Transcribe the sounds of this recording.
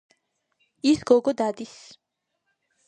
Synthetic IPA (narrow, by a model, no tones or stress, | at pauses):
isɡɔɡɔd̪ad̪is